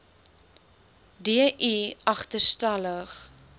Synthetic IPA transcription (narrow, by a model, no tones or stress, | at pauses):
diəʔiɐχtərstɐləχ